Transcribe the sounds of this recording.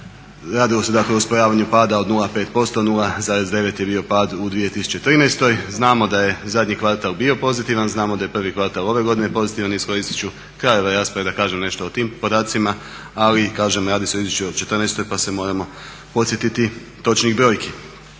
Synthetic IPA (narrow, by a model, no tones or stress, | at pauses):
ɾaːd̪ilˠo̞se̞d̪akle̞ouspojaːʋaɲupaːd̪aod̪nulˠape̞ːt̪po̞st̪onulˠazaːɾe̞zd̪e̞ʋe̞t̪jebio̞paːd̪ud̪ʋije̞t̪isu̥t͡ɕe̞t̪ɾinɛjst̪o̞jznaːmo̞d̪aje̞zad̪ʲɲikʋaɾt̪alˠbio̞po̞zit̪iʋanznaːmod̪aje̞pr̩ʋikʋaɾt̪alo̞ʋe̞ɡo̞d̪ine̞po̞zit̪iʋanisko̞ɾist̪i̥t͡ɕu | kɾajo̞ʋojɾaːspɾaʋed̪akaːʒemne̞ʃt̪o̞ot̪iːmpo̞d̪aːt̪sima | alikaːʒemoɾaːd̪iset̪izjut͡ʃuo̥t͡ʃe̞t̪rnɛjst̪o̞jpasemo̞ːɾamo̞ | po̞t̪sje̞t̪it̪i | t̪o̞t͡ʃniɡbɾo̞ːjkʰi